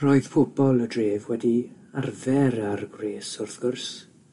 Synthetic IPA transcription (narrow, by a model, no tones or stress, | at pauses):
roːɨð̥fʰʊb̥ɔlˠədreːvwɛdi | arvɛɾarɡreːsʊrθɡ̥ʊrs